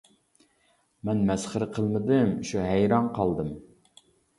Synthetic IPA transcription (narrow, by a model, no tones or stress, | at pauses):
mɛnmɛsχəɾɨqʰəlˠməd̪ɨmʃuɦæjɾɑnqʰɑlˠd̪ɨm